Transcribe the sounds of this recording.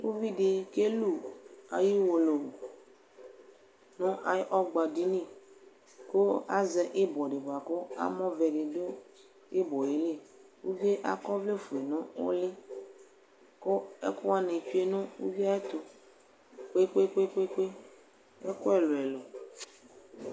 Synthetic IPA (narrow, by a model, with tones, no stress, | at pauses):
wu˦vi˦ɖe˨ke˦lu˦˨a̰˨ji˦wo˨lo˨ | nõ˦ʔa˨˦ʔɔ˦ɡ͡ba˨di˦nĩ˦˨ | ko˦a˦zɛ˨ʔe˦bɔ˨ɖe˨ba˨ko˦a̰˦mɔ̃˦vɛ˨ɖe˨do˦ | e˦bɔ˨je˨le˦˨ | wu˦vi˦e˦ʔa̰˦kɔ˦vle˦fu˨e˨nɔ̃˦wo̰˦le˦ | ko˦e˦ko˦a˦nẽ˨t͡ʃu˦e˦nõ˦wṵ˦vi˦a˦e˦t̪o˨ | k͡pe˦k͡pe˦k͡pe˦k͡pe˦k͡pe˦ | e˦ko˦ɛ˦lo˨ɛ˨lo˨